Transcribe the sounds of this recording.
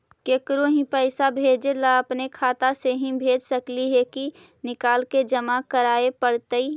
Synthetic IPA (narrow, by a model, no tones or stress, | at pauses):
keːkɾõɦĩpɛɪsabʱeːd͡ʒelaəpnekʰaːt̪aseɦĩbʱeːd͡ʒsəkliɦɛki | nɪkaːlked͡ʒɐmakəɾaːepəɽt̪əi